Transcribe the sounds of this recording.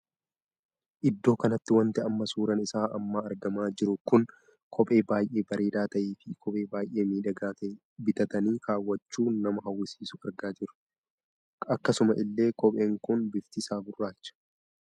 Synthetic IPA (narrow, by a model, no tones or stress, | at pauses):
ʔɪd̪ːo̞ːkɐnɐt̪ːɪwɐnt̪ɪɐmːɐsuːɾɐnɪsaːʔɐ̰mːaːɐɾɡɐmaːd͡ʒɪɾʊkʊn | kʰɔpʼe̞ːbaːjʔe̞ːbɐɾʔeːd̪aːt̪ɐʔiːfɪkʰɔpʼe̞ːbaːjʔe̞ːmiːᶑɐɡaː | bɪt̪ɐt̪ɐniːkaːwːɐt͡ʃːuːnɐmɐɦɐwːɪsiːsʊɐɾɡaːd͡ʒɪɾʊ̥ | ɐkːɐsʊmɐʔɪlːe̞ːkɔpʼe̞ːŋkʊnbɪft̪ɪsaːɡʊrːaːt͡ʃːɐ̥